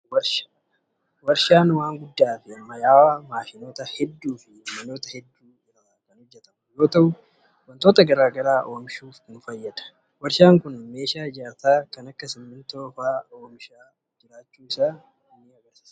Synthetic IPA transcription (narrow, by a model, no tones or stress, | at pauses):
wɐɾʃ | wɐɾʃaːnwaːŋɡʊd̪ːaːfɪɐmːɐjaːwaːmaːʃɪno̞ːt̪ɐhɛd̪ːuːfɪmɐno̞ːt̪ɐhɛd̪ːuːɪraːkɐnhɔd͡ʒːɛt̪ɐmʊjo̞ːt̪ɐʔʊ | wɐnt̪o̞ːt̪ɐɡɐɾaːɡɐɾaːʔoːmʃuːfknfɐjːɐd̪ɐ̥ | wɐɾʃaːŋkʊnme̞ːʃaːɪd͡ʒaːɾt̪aːkɐnɐkːɐsɪmːɪnt̪oːfaːoːmʃaː | d͡ʒɪɾaːt͡ʃːuːɪsaː | ɪnːɪɐɡɐɾsi̥ːs